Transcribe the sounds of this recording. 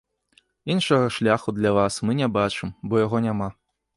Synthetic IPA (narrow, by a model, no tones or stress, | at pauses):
inʂɐɣɐʂlʲaxud̪lʲavasmɨnʲɛbat͡ʂɨmbɔjaɣɔnʲama